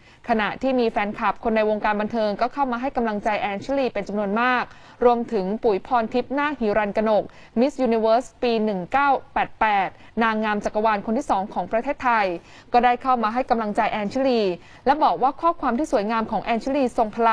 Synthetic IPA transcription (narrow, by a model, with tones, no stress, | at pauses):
kʰa˧na˨˩ʔt̪ʰiː˥˩miː˧fɛː˨˧nkʰa˨˩p̚kʰo˧nːa˧jwo˧ŋkaː˧nba˧nt̪ʰɤː˧ŋkɔː˥˩kʰa˥˩wmaː˧ɦa˥˩jka˧mla˧ŋt͡ɕa˧jʔɛː˧nt͡ɕʰi˦˥liː˧pe˧nt͡ɕa˧mnu˧ənmaː˥˩k̚ | ɾu˧əmt̪ʰɯ˩˦ŋpu˨˩˦jpʰɔː˧nt̪ʰi˦˥p̚naː˥˩hiː˨˩˦ɾa˧nka˧no˨˩k̚ | mi˦˥sjuː˧ni˧wɤː˦˥spiː˧nɯ˨˩ŋkaː˥˩wpɛː˨˩t̪̚pɛː˨˩t̪̚ | naː˧ŋːaː˧mt͡ɕa˨˩kːa˧waː˧nkʰo˧nt̪ʰiː˥˩sɔː˩˦ŋkʰɔː˩˦ŋpɾa˧t̪ʰeː˥˩t̪ʰːa˧j | kɔː˥˩daː˥˩jkʰa˥˩wmaː˧ɦa˥˩jka˧mla˧ŋt͡ɕa˧jʔɛː˧nt͡ɕʰi˦˥liː˧ | lɛ˦˥bɔː˨˩k̚waː˥˩kʰɔː˥˩kʰwaː˧mt̪ʰiː˥˩su˩˦əjŋaː˧mkʰɔː˩˦ŋʔɛː˧nt͡ɕʰi˦˥liː˧so˨˩ŋpʰa˧la˧